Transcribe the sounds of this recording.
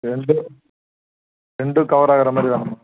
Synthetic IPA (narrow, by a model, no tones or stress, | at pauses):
ɾɛɳɖɯ | ɾɛɳɖɯkɐʋɐɾaːɣɐɾɐmaːd̪ɾit̪aːnɯmːa